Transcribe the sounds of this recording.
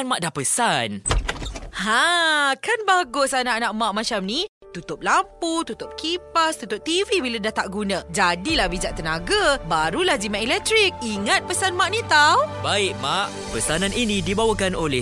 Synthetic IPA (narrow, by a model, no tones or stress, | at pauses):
anmaʔdahpəsan | hãkanbaɡʊsanaʔanaʔmãʔmãt͡ʃamnĩ | t̪ut̪ʊp̚lamput̪ut̪ʊp̚kipast̪ut̪ʊp̚t̪ivibiladaht̪aʔɡunãd͡ʒadilahbid͡ʒaʔt̪ənaɡabaɾulahzimaʔɛlɛk̚t̪ɾik̚iŋat̪̚pəsanmaʔnĩt̪awbaɪʔ̚maʔ | pəsanãninĩdibawakanolɛ